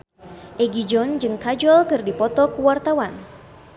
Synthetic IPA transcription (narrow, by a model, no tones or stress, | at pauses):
ʔɛɡid͡ʒɔnd͡ʒɨŋkad͡ʒɔlkɨrdipɔt̪ɔkuwart̪awan